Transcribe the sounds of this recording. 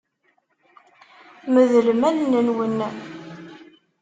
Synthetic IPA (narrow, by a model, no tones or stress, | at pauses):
məðəlmænnənwənː